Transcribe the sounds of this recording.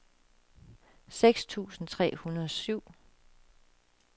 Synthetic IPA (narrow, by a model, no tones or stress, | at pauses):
seɡ̥st͡sʰṵːsn̩t͡sʰʁɛ̰ːhunɐðˠɒsyʊ̰